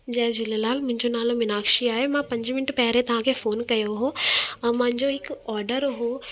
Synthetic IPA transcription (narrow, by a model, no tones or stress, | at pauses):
d͡ʑɐɦɪ̃d͡ʑʊlelaːlmʊ̃ɦɪ̃ɲd͡ʑonaːlomɪnaːkʃiaːɦemãpɐ̃ɲd͡ʑmɪnəʈpɐɦɪɾet̪ɐʋ̤ãkʰefoːnkɐjoɦõmɐ̃ɦɪ̃ɲd͡ʑoɦɪkɔːɾɖəɾɦoː